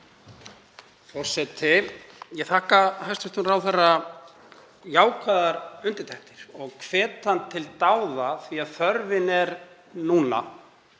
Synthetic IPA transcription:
fɔr̥sɛt̪ʰɪjɛɣθahkahajst̪ʏht̪ʏmraːwθara | jaːwkʰvaðaɾʏnt̪ɪ̥ɾt̪ʰaht̪ɪɾ̥ɔɣkʰvɛːt̪ant̪ʰɪlt̪aːwðaθviaðθœɾvɪnɛɾ | nuːna̰

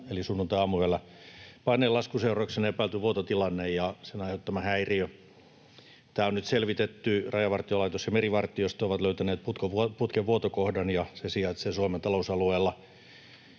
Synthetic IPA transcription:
elisunːunt̪ɑɑːmueːlːɑ | pɑnːeːlɑskuseurɑksenepæːlt̪yʋuot̪ot̪ilɑnːejjɑsenɑiheout̪ːɑmɑhæiriø | t̪æːonyt̪selʋit̪et̪ːyrɑjɑʋɑrt̪iolɑit̪osjɑmeriʋɑrt̪iost̪oʋɑt̪løyt̪æneːt̪̚put̪koʋuoput̪keʋʋuot̪okohdɑnjɑsesiɑt̪sesuomet̪ɑlousɑlueːlːɑ

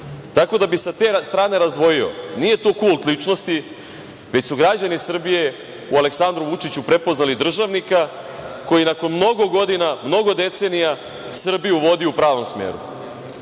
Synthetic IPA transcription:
t̪ako̞d̪abisat̪e̞st̪ɾaːne̞ɾazd̪ʋo̞jio̞̰nije̞t̪okulˠt̪lit͡ʂno̞st̪i | ʋe̞t͡ɕsuɡɾad͡ʑanisr̩bije̞ | uale̞ksand̪ɾuʋut͡ʃit͡ɕupɾe̞po̞znalid̪r̩ʒaʋnika | ko̞jinako̞nmno̞ɡo̞ɡo̞d̪inamno̞ɡo̞d̪e̞t̪se̞nija | sr̩bijuʋo̞d̪iupɾaːʋo̞msmḛːɾṵ

